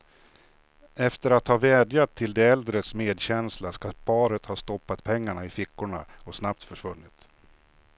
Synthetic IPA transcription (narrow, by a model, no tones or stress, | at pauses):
ɛft̪əɾat̪hɑːvɛːd̪jat̪ʰːɪld̪ɛɛld̪ɾət̪smeːd̪ɕɛnslaskapʰɑːɾət̪hɑːst̪ɔpːat̪pʰɛŋːaɳaɪfɪkːʊɳa̰ɔsnap̚t̪fœʂvɵnːɪt̪